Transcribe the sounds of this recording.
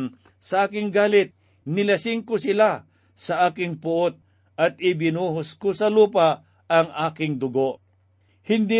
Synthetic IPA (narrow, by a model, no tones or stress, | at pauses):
n | sɐʔaːkɪŋɡaːlɪt̪̚ | nɪlɐsɪŋkʊsɪla | sɐʔaːkɪŋpʊʔot̪̚ | ʔɐt̪̚ɪbɪnuːɦʊskosɐluːpa | ɐŋʔaːkɪŋd̪ʊɡoʔ | hɪnd̪i